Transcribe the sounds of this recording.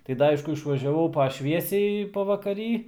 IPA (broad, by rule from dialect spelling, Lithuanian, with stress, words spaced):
tɐɪ ˈdɐ ˈɐɪʃkʊ ɪʃʋɐʒʲɛˈʋɐʊ pɐ ˈʃʲʋʲiɛsʲɛɪ pɐʋɐkɐˈrʲiː